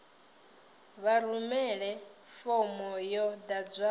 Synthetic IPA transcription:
βaɾumɛɺɛ | fɔmɔjɔd̪ad͡zʷa

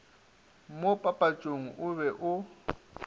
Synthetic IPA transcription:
m̩mopʼapʼat͡ʃʼoŋ̩ʔʊβɛʔʊ

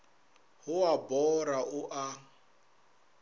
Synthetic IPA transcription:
ɦʊwabɔɾaʔʊʔa

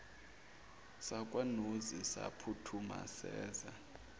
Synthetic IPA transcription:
sakʼwanuzisa̰pʰutʰuma̰sɛːza

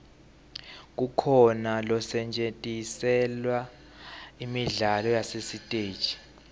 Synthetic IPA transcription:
k̬ukʰɔnalɔsɛnt͡ʃʼetʼisɛlwa | imiɮalɔjasesitʼeːd̥t͡ʃi̥

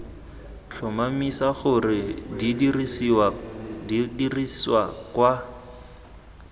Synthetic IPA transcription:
t͡ɬʰʊmamisaχʊrɪdidirisiwa | diriswakwa

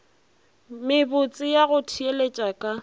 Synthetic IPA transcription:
mɪbʊt͡sʼɪjaɣʊtʰielet͡ʃʼakʼa

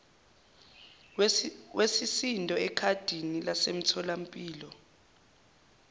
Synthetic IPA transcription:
wesisintʼɔɛkʰad̥ʱinilasem̩tʰɔlam̩pʼiːlɔ

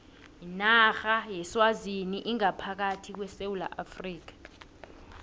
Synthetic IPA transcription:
jinaxajɛswaziniʔiŋapʰak̬atʰik̬wɛsewula̰ʔafriːk̬ḁ

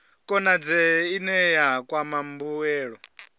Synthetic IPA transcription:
kʼɔnad͡zɛinɛjakwamambuwɛːɺɔ

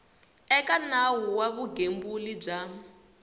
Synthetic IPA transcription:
ɛkanawuwaβuɡembulib͡ʐa

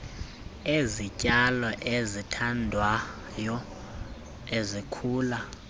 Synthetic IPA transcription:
ezicʼalɔʔezitʰandʱwa | jɔ | ezikʰuːla

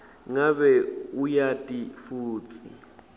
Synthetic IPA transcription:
ŋaɓɛujatʼifuːt͡sʰi

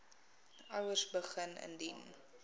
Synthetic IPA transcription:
ɐwərsbəχənə̰ndin

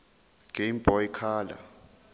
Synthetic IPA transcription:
ɡ̥ʱemb̥ʱɔjikʰaːla̰

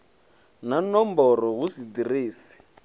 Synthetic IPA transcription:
nanɔmbɔɾɔɣusid̪iriːsi̥

